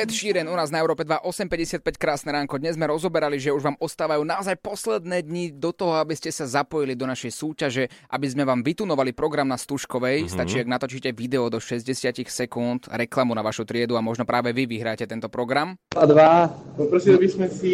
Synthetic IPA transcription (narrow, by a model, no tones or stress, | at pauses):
ɛt̪ʃiːɾɛnunaːznaɛʊɾɔːpɛd̪ʋaʔɔsɛmpɛɟɛsɪat̪̚pɛckɾaːsnɛɾaːŋkɔd̪ɲɛzmɛɾɔzɔbɛɾaliʒɛuʒʋaːmɔst̪aːʋajuːnaɔzajpɔslɛd̪nɛːd̪ɲid̪ɔt̪ɔɦɔabiscɛsazapɔjilid̪ɔnaʃɛjsuːcaʒɛʔa̰bizmɛʋaːmʋit̪unɔʋalipɾɔɡɾamnast̪uʃkɔʋɛjst̪at͡ʃiːaɡnat̪ɔt͡ʃiːcɛʋid̪ɛɔd̪ɔʃɛzɟɛsɪacixsɛkunt̪ɾɛklamunaʋaʃut̪ɾɪɛd̪uamɔʒnɔpɾaːʋɛʋiʋiɦɾaːcɛt̪ɛnt̪ɔpɾɔɡɾamad̪ʋaɔpɾɔsit̪ɔbismɛsi